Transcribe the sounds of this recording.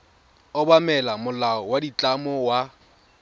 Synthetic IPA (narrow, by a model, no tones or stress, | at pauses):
ʊbamɛlamʊlaɔwadit͡ɬʼamɔwa